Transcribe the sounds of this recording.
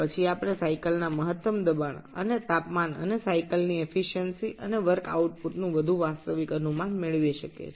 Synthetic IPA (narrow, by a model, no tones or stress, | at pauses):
pət͡ʃʰiapɽ̃esaikəlnaməɦət̪ːəmd̪əban̰ə̰net̪apmanə̰nesaikəlniefʰiʃənsiʔəneʋəɾka̰uʈ̚puɾnũʋəd̪ʱuʋast̪əʋikənumãnmeɭʋjeʃəkḛ